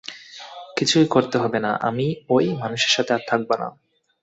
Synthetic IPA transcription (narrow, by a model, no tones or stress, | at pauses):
kit͡ɕʰujkoɾt̪eɦɔbena̰ʔa̰miojmanuʃeɾʃat̪ʰeat̪ʰak̚bona̰